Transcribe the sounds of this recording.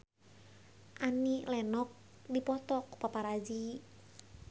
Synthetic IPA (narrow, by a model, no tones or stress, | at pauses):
ʔanilɛnɔk̚ | dipɔt̪ɔku̥papaɾad͡ʒi